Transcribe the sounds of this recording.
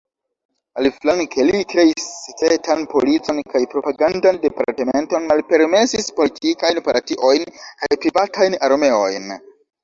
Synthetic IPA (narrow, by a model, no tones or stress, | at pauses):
aliflankʰe̞likɾe̞isːekɾe̞tanpo̞lit͡so̞nkajpɾo̞paɡandande̞pa̰ɾteme̞nto̞nmalpe̞ɾme̞sispo̞litʰikajnpaɾtiʔo̞jnkajpɾivatʰajnaɾme̞o̞̰jn